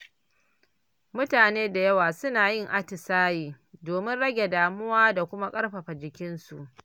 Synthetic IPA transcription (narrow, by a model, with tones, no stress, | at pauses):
mʊ˦taː˨neː˦da˨jɐ˦waː˨sʊ˦naː˨jɪ˦˨ŋʔa˦tɪ˨saː˦jiː˨ | doː˨mɪ˦nɽɐ˦ɡʲe˨daː˨mʊ˦waː˦da˨kʷʊ˦ma˦kʼɐ˦ɽɸɐ˨ɸa˨d͡ʒɪ˨kʲɪ˦nsu˨ʔ